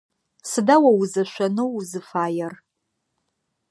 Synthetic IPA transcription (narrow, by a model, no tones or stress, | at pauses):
sɨdawɐwuzɨʃʷanɨwzɨfaːjɐr